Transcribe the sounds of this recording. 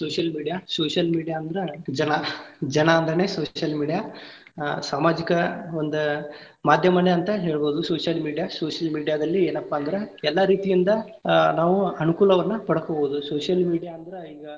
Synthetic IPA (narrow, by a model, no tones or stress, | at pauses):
soːʂjɐlmiːɽijasoːʂjɐlmiːɽijaːɐnd̪ɐɾed͡ʒɐnɐd͡ʒɐnɐːnd̪ɾene̞ːsoːʃjɐlmiːɽija | saːmaːd͡ʒikɐond̪u | maːd̪ʱjɐmɐneɐnt̪ɐɦeːɭbo̞ːd̪uso̞ːʂjɐlmiːɽijasoːʂɐlmiːɖijaːd̪ɐlːie̞ːnɐpːaːnd̪ɐɾe̞ɛlːɐɾiːt̪ijind̪ɐ | naːʋuɐnukuːlɐʋɐnːɐpɐɽɐkoːboːd̪usoːʂjɐlmiːɽijaːɐnd̪ɐɾeiːɡɐ